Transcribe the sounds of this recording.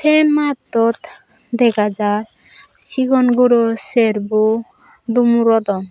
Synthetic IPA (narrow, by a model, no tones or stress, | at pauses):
tʰemat̪ːɔt̪ | d̪ɛkad͡ʒaɾ | siɡɔnɡuɾɔseɾbo | d̪umuɾɔd̪ɔn